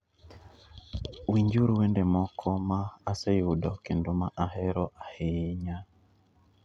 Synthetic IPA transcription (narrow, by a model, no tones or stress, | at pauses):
wiɲd͡ʒuɾuwɛndɛmɔkʰɔmaːsɛjudɔkɛndumaʔahɛɾɔʔahɛjiɲa